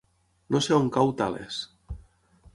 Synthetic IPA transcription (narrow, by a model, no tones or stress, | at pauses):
noseoŋkawt̪alḛs